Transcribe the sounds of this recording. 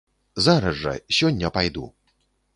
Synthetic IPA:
zaɾɐʐːɐ̰sʲɔnʲːɐpajd̪ṵ

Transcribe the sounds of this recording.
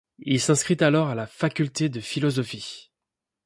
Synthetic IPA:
ilsɛ̃skχit̪alɔʁalafakʲylt̪ed̪əfilɔzɔfi

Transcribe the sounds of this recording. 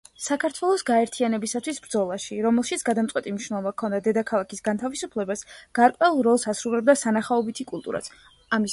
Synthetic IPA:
sakʰaɾt̪ʰwɛlˠɔsɡaɛɾt̪ʰianɛbisat̪ʰwisbɾd̪zɔlˠaʃiɾɔmɛlˠʃit̪sʰɡ̥ad̪amt̪sʼwɛt̪ʼimniʃnɛlˠɔbakʰɔnd̪ad̪ɛd̪akʰalˠakʰisɡant̪ʰavisupʰlɛbasɡ̥aɾkʼwɛulˠɾɔlˠsasɾulɛb̚d̪asanaχaɔbit̪ʰikʼulˠt̪ʼṵɾa̰t̪sʰ | ami

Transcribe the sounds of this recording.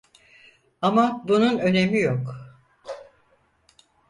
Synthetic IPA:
amabununø̞ne̞mijok

